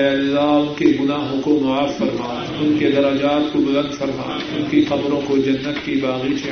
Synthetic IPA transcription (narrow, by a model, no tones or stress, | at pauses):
ɐlːaʊnkeɡʊnaːɦõkomɐaːfɐɾmaː | ʊnked̪ɐɾɐd͡ʒaːt̪̚kobɐlə̃nd̪fɐɾma̰ː | ʊnkiqɐbɾõkod͡ʒɐnːət̪kibaːɣit͡ʃɐ